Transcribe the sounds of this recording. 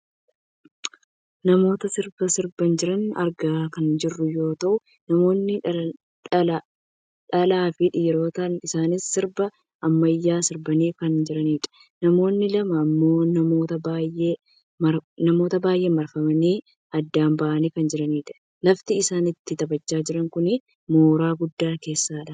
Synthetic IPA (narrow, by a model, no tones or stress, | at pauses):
nɐmo̞ːt̪ɐsɪɾbɐsɪɾbɐnd͡ʒɪɾɐnɐ̰ɾɡaːkɐnd͡ʒɪrːʊjo̞ːt̪ɐʔʊ | nɐmo̞ːnːɪ | ɐ | ᶑɐlaːfɪᶑɪjɛɾo̞ːt̪ɐnɪsaːnɪsːɪɾbɐ | ʔɐmːɐjːaːsɪɾbɐniːkɐnd͡ʒɪɾɐniːᶑɐ̥ | nɐmo̞ːnːɪlɐmɐːmːo̞ːnɐmo̞ːt̪ɐbaːjʔeː | mɐɾnɐmo̞ːt̪ɐbaːjʔe̞ːmɐɾfɐmɐniː | ɐd̪ːaːmbɐʔɐniːkɐnd͡ʒɪɾɐniːᶑɐ̥ | lɐft̪ɪːɪsaːnɪt̪ːɪt̪ɐbɐt͡ʃːaːd͡ʒɪɾɐŋkʊnɪ | mo̞ːɾaːɡʊd̪ːaːke̞ːsːaːᶑɐ